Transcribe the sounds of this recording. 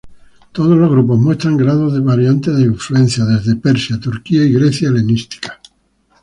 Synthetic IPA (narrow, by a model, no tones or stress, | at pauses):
t̪oð̞ozlozɣɾup̬o̞zmwe̞st̪ɾaŋɡɾaðozðeβaɾjant̪eðeiɱfluẽ̞nθjaðezðe̞peɾsjat̪uɾkiaiɣɾeθjaelenist̪i̥kḁ